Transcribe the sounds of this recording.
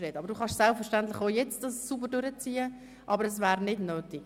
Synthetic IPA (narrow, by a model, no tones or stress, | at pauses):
ɾeːtɑbəɾduːχɑʃsɛlpfəɾʃtantlɪχoːjɛt͡stdɑsːubərdøɾət͡siːə | ʔɑbəɾɛs̬væːɾnɪdnøːtɪ